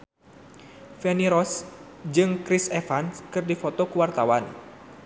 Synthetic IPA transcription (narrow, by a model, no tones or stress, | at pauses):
fɛniɾɔs | d͡ʒɨŋkɾisɛfanskɨrdifot̪ɔkuwart̪awan